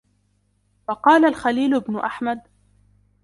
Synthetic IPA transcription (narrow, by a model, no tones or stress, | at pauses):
fɑqɑːlalxaliːlʊɪbnʊʔaħmad̪̚